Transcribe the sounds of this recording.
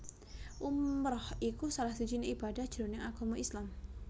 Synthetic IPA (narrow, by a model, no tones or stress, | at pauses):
ʔumɾɔhikusalahd̪id͡ʒineib̥adahd̥ʒ̥ɾonɪŋaɡ̥ɔ̤moʔislam